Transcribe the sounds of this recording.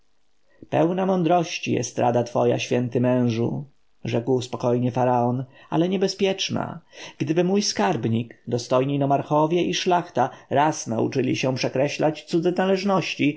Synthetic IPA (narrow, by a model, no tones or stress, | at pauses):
pɛwnamɔnd̪ɾɔɕt͡ɕijɛ̰st̪ɾʔad̪at̪fɔja̰ɕfʲjɛnt̪ɘmɛ̃w̃ʐṵ | ʐɛkwspɔkɔjɲɛfaɾaɔna̰lɛɲɛbɛspʲjɛt͡ʂna̰ɡ̥d̪ɘbɘmujskaɾbɲikd̪ɔst̪ɔjɲinɔmaɾxɔvʲjɛʔiʂlaxt̪aɾasnaṵt͡ʂɘlʲḭɕɛ̃pʂɛkɾɛɕlat͡ɕt̪sud̪zɛnalɛʐnɔɕt͡ɕi